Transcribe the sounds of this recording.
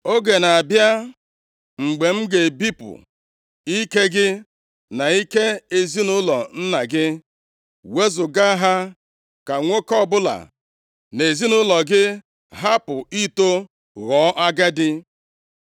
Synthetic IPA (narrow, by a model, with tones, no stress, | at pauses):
o˦ɡe˨na˨a˨bja˦ | ŋ͡m̩˨ɡ͡be˨ŋ͡m̩˦ɡe˨bi˦pʊ̰˨ | i˦ke˦ɡɪ˦ | na˨i˦ke˦e˨zi˦nʊ˦lɔ˨n̩˦na˨ɡɪ˦ | we˦zʊ˨ɡa˦ɦa˦ | ka˨ŋʷo˦kɔ˦˨bʊ˦la̰˨ | ne˨zi˦nʊ˦lɔ˨ɡɪ˦ | ɦa˦pʊ˨i˦to˦ | ɣɔ˨˦ʔa˦ɡɛ˦dɪ˦